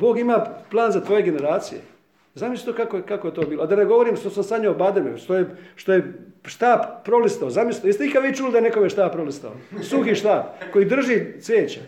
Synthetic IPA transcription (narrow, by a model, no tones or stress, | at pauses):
bo̞ːɡimaːplˠaːnzat̪ʋo̞ːjeɡe̞ne̞ɾaːt̪sijḛ | zamisi̥t̪okakokakojet̪oːbiːload̪aneɡo̞ʋoɾiːmʃt̪osamsad̪ɲobad̪emḛʃt̪ojeʃt̪ojeʃt̪aːppːɾolist̪aozamisi̥t̪ist̪eikad̪ʋiːt͡ʃulid̪aeneko̞meʃt̪aːbp̚pɾolist̪a̰osuxiʃt̪aːpkojiːd̪r̩ʒiːsʋʲeːt͡ɕa